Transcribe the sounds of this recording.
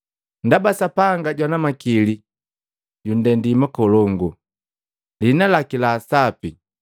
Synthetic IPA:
ndabasapaŋɡaɟwanamakili | ɟun̩dɛndimakɔlɔŋɡu | linalakilaːsapi

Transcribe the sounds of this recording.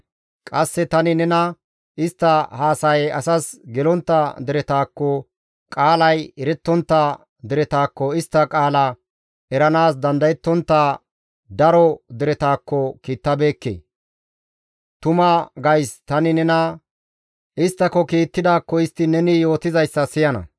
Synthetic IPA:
kʼɐsːɛt̪ɐnɪnɛnɐ | ɪst̪ːɐhaːsɐjɛɐsɐsɡɛlɔnt̪ːɐd̪ɪɾɛt̪aːkːɔ | kʼaːlɐjɛɾɛt̪ːɔnt̪ːɐ | d̪ɪɾɛt̪aːkːɔɪst̪ːɐkʼaːlɐ | ɛɾɐnaːsd̪ɐnd̪ɐjɛt̪ːɔnt̪ːaː | d̪ɐɾɔd̪ɪɾɛt̪aːkːɔkiːt̪ːɐbe̞ːkːḛː | t̪ʊmɐɡɐjst̪ɐnɪnɛnɐ | ʔɪst̪ːɐkːɔkiːt̪ːɪd̪aːkːɔɪst̪ːɪnɛnɪjo̞ːt̪ɪzɐjsːɐsɪjɐnɐ̰

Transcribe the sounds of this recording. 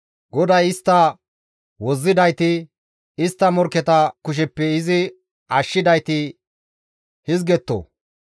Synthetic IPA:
ɡɔd̪ɐjɪst̪ːɐ | wɔzːɪd̪ɐjt̪ɪ | ɪst̪ːɐmɔɾkːɛt̪ɐkʊʃ̬ɛpːɛɪzɪ | ɐʃːɪd̪ɐjt̪ɪ | hɪzɡɛt̪ːo̰ː

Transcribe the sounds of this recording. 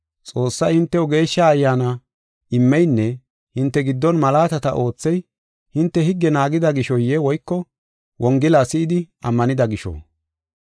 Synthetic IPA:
t͡sʼo̞ːsːɐjhɪnt̪ːɛɔɡe̞ːʃːaːjːaːnɐ | ʔɪmːɛjnːɛ | hɪnt̪ːɛɡɪd̪ːɔnmɐlaːt̪ɐt̪ɐʔo̞ːt͡sːɛj | hɪnt̪ːɛhɪɡːɛnaːɡɪd̪ɐɡɪʃɔjːɛwɔjkːɔ | wʔɔŋɡɪlasɪɪd̪ɪ | ɐmːɐnɪd̪ɐɡɪʃɔ̰

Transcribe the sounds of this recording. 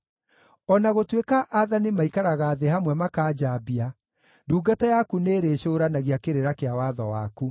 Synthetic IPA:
ɔnaɣotwekaʔːðanimaikaɾaɣaːðehamwɛmakaːd͡ʑabia | nduːɡatajakuneːɾeːɕoːɾanaɣiakeɾeɾakeawaðɔwa̰ku

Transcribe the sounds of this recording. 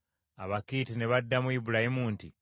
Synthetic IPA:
aβakitineβadːamuibulahimuːnti

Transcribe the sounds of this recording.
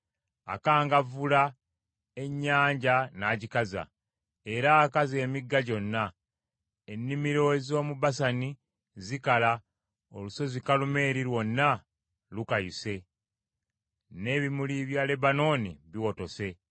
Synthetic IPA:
a̰kaːŋɡavula | e̞ɲːaːɲɟanaːcikaza̰ | e̞ɾaːkaze̞ːmiɡːaɟo̞nːa | enːimiɾo̞ezo̞ːmuβasani | zikala | oluso̞zikalume̞ːɾilwo̞nːa | lukajuse̞ | ne̞ːβimuliβjale̞bano̞ːniβiwo̞to̞se̞

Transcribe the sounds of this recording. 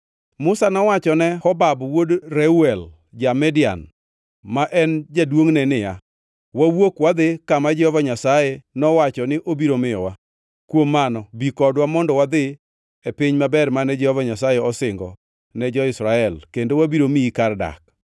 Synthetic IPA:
mʊsanɔwat͡ʃɔnɛhɔbabwodɾɛuɛl | d͡ʒamɛdɪa̰n | maʔɛnd͡ʒadwoŋnɛnɪja | wawokwad̪ɪkamad͡ʒɛhɔvaɲasajenɔwat͡ʃɔnɪʔobiɾomɪjɔ̰wa | kwomːanɔbikɔdwamɔndɔwad̪ɪ | epɪɲmabɛrmanɛd͡ʒɛhɔvaɲasajeɔsɪŋɡɔ | nɛd͡ʒɔɪsɾaɛlkendowabiɾomikarda̰k

